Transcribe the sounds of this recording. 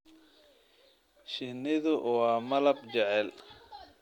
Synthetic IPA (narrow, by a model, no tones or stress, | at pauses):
ʃɪnɪðʊʔwaːmɐlɐbd͡ʒɛʕɛl